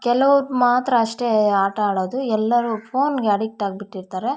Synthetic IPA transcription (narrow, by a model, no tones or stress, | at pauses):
kɛlɐʋuɾmaːt̪ɾɐːʂʈe̞aːʈɐaːɽoːd̪uɛlːɐɾupʰoːnɡeɐɽik̚ʈaːɡ̚biʈːiɾt̪aːɾe̞